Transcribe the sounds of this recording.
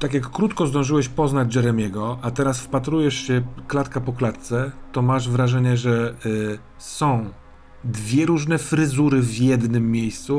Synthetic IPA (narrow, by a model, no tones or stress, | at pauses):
t̪akʲjakːɾut̪kɔzd̪ɔ̃w̃ʐɘwɛɕpɔznad͡ʑd͡ʒɛɾɛmʲjɛɡɔat̪ɛɾasfpat̪ɾujɛʂɕɛklat̪kapɔklat̪t̪sɛt̪ɔmaʐvɾaʐɛɲɛʐɛ | sɔ̃w̃ | d̪vʲjɛɾuʐnɛfɾɘzuɾɘvjɛd̪nɘmːʲjejst̪su